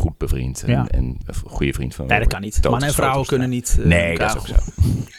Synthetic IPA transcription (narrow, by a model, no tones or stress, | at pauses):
χut̚b̥əvrḭntɛ̰nχujəfrḭntfɔ̰nɛdəkːanitdmannəɛnfawəkønənːitneːkk